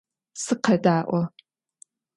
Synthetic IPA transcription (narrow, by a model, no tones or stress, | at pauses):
sɨqʰɐdaːʔʷɔ